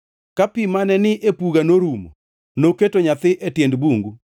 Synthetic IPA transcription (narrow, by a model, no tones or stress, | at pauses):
kapimanɛnɪʔepuɡanoɾumo̰ | noketoɲat̪ɪʔetjendbuŋɡu